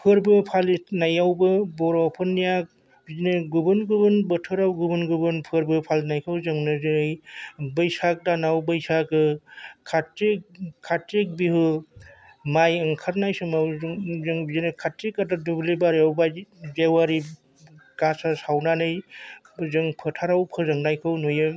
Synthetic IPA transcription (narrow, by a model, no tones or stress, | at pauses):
pʰɯɾbɯpʰalinajawbɯbɔɾɔpʰɯnːijak̚ | bizinɯɡubɯnɡubɯnbətʰɯɾawɡubɯnɡubɯnpʰɯɾbɯpʰalnajkʰawzɯŋnɯzɯjbɯjsak̚danawbɯjsakɯkʰatek̚kʰːatːek̚bihɯ | majɯŋkʰaɾnajsɯmawŋzɯŋbizinekʰatːekːatadublebaɾiawbazewaɾi | ɡasasawnanɯj | zɯŋpʰɯtʰaɾawpʰɯzaŋnajkʰɯwnujɯ